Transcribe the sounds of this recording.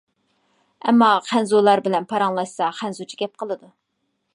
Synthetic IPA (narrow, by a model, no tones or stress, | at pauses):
ɛ̰mːɑqʰænzulˠɑɾbɪlɛnpʰɑɾɑŋlˠɑʃsɑqʰænzut͡ʃʰi̥ɡʲɛp̚qʰəlˠɨd̪u